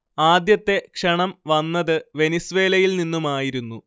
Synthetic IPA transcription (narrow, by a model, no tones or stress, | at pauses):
aːd̪jɐt̪ːe̞kʂɐɳɐmʋɐnːɐðɨʋe̞nisʋe̞ːlɐjilninːumaːjiɾunːu